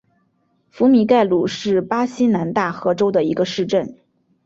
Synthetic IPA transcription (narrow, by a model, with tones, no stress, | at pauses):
fu˧˥mi˧˥ka˥˩ɪlu˨˩ʂɻ̩˥˩pa˥ɕi˥na˧˥nt̪a˥˩xɤ˧˥ʈ͡ʂo˥ʊd̪ə˨i˧˥ɡə˧ʂɻ̩˥˧ʈ͡ʂə˥˩n